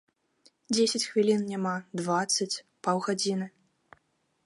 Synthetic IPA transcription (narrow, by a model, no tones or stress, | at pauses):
d͡zʲesʲɛt͡sʲxvʲilʲinnʲamad̪vat̪sːɐt͡sʲ | pawɣad͡zʲinɨ